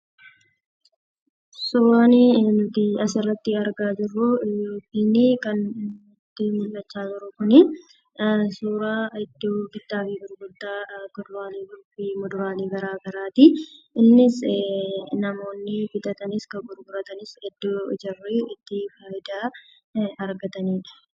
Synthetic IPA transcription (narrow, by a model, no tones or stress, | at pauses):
suːɾaːnint̪ɪɐsɪrːɐt̪ːɪɐɾɡaːd͡ʒɪrːʊɪjoːpːiːnɪkɐn | t̪ːɪmʊlːɐt͡ʃːaːd͡ʒɪɾʊkʊnɪ | suːɾaːɛd̪ːoːɡɪd̪ːaːfiːbɪɾɡʊd̪ːaːkɔd̪ʊɾaːliːbʊɾbimɔd̪ʊɾaːliːɡɐɾaːɡɐɾaːt̪ɪʔɪnːɪs | nɐmo̞ːnːɪbɪd̪ɐt̪ɐnɪskɐɡʊɾɡʊɾɐt̪ɐnɪsɛd̪ːoːd͡ʒɐrːiɪt̪ːɪfaːʔɪd̪aː | ɐɾɡɐt̪ɐniːᶑɐ